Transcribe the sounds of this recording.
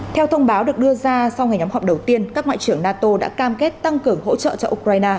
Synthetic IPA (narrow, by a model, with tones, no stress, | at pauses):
t̪ʰɛ˧wt̪ʰə˧wŋ͡mɓaː˨˦wɗɨ˨˩ək̚ɗɨ˧əzaː˧sa˧wŋa˨˩jɲɔ˨˦mhɔ˨˩p̚ɗə˨˩wt̪i˧ənkaː˦˥k̚ŋwa̰ː˧˨jt͡ɕɨ˧˩əŋnaː˧t̪o˧ɗa̰ː˧˥kaː˧mke˦˥t̚t̪a˧ŋkɨ˨˩əŋɦo̰˧˥t͡ɕə̰˧˨t͡ɕɔ˧ʔu˧kɾaː˧jnaː˧